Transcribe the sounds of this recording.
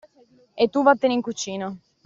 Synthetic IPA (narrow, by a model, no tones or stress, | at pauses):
et̪ːuvat̪ːeniŋkut͡ʃiːno